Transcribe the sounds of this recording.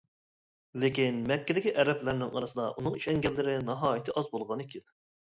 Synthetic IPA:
lekʲinmɛkʲːɪd̪ɪkʲiʔɛɾɛplæɾnɪŋɑ̰ɾɨsɨd̪ɑʔunɨŋiʃɛŋɡʲɛlːɪɾɪnɨɦɑːjit̪ʰɨʔɑzbolˠʁɑnɨkʲʰilɪ

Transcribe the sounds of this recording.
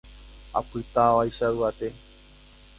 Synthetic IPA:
a̰pɨt̪aʋajʃauat̪e

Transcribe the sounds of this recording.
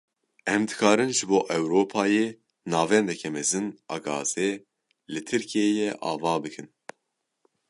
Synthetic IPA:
ɛmd̪ɨkʰɑːɾɨnʒɨboːʔɛwɾoːpʰɑːjeː | nɑːvɛnd̪ɛkʰɛmɛzɨnɑ̰ːɡɑ̰ːze | lɨt̪ʰɨɾkʰieːjɛʔɑ̰ːvɑːbɨkʰɨn

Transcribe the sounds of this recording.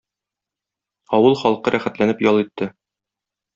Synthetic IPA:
ɒwɤlˠχɒlˠqɤɾʔæχæt̪lænɘpjɒlˠit̪ːɘ

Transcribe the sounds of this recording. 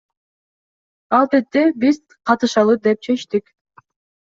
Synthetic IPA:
ɑlˠbet̪ːebiz | qʰɑt̪ɯʃɑlˠɯd̪e̞p̚t͡ʃʰe̞ʃt̪ik

